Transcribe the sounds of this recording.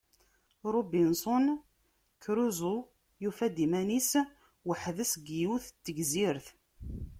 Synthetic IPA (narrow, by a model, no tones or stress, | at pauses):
ɾˤobinsˤon | kɾuzu | jufæd̪imænis | wəħðəsɡijuθt̪ːəɡziɾθ